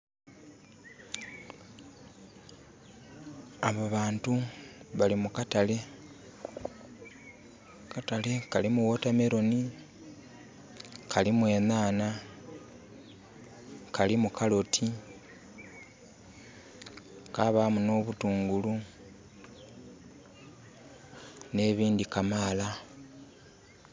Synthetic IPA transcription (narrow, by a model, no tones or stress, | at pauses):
aβaβaːntuβalimukatale̞ | katale̞kalimuwotameɾo̞ni | kʰalimwe̞ːnaːna | kalimukalo̞tʰi | kaβamuno̞βutuːŋɡulu | ne̞ːβiːndikamaːla